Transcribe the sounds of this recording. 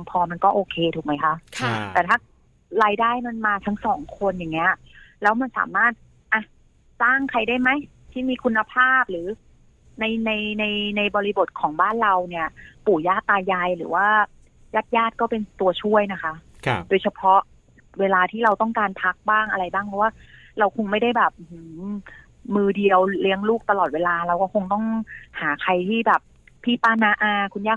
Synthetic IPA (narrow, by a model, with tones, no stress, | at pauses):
ŋpʰɔː˧ma˧nkɔː˥˩ʔoː˧kʰeː˧t̪ʰuː˨˩k̚ma˦˥jkʰa˦˥ʔʰt̪ɛː˨˩t̪ʰaː˥˩ | ɾaː˧jdaː˥˩jma˧nmaː˧t̪ʰa˦˥ŋsɔː˩˦ŋkʰo˧nja˨˩ŋːi˦˥ɐ | lɛː˦˥wma˧nsa̰ː˩˦maː˥˩t̪̚ | ʔa˧˩ | saː˥˩ŋkʰa˧jdaː˥˩jma˦˥j | t̪ʰiː˥˩miː˧kʰu˧nːa˧pʰaː˥˩p̚ɾɯː˩˦ | na˧jna˧jna˧jna˧jbɔː˧ɾi˦˧bo˨˩t̪̚kʰɔː˩˦ŋbaː˥˩nɾa˧wni˥˩ɐpuː˨˩jaː˥˩t̪ːaː˧jaː˧jɾɯː˩˦waː˥˩ | jaː˥˩t̪̚jaː˥˩t̪̚kɔː˥˩pe˧nt̪u˧ɐt͡ɕʰu˥˩əjna˦˥kʰa˦˥ʔ | doː˧jt͡ɕʰa˧pʰɔ˦˥ʔ | weː˧laː˧t̪ʰiː˥˩ɾa˧wt̪ɔ˥˩ŋkaː˧npʰa˦˥k̚baː˥˩ŋʔa˧ɾa˧jbaː˥˩ŋpʰɔ˧˦˥waː˥˩ | ɾa˧wkʰo˧ŋma˥˩jda˥˩jbɛː˨˩p̚hɯ˩˦ | mɯː˧di˧əwli˦˥əŋluː˥˩k̚t̪a˧lɔː˨˩t̪̚weː˧laː˧ɾa˧wkɔː˥˩kʰo˧ŋt̪ɔ˥˩ŋhaː˩˦kʰa˧jt̪ʰiː˥˩bɛː˨˩p̚ | pʰːiː˥˩paː˥˩naː˦˧˥ʔaː˧kʰu˧njaː˥˩